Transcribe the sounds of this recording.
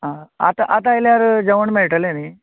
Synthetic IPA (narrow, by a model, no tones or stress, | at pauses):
ɦãat̪aʔat̪ajljaɾd͡ʑəʋəɳmeɭʈəleni